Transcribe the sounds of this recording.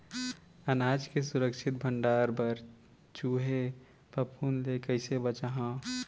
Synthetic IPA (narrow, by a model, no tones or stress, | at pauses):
ənaːd͡ʒkesuɾəkʃʰɪt̪̚bʱəɳɖaːɾbəɾ | t͡ʃuːɦe | pəpʰunlekəɪsebət͡ʃaɦã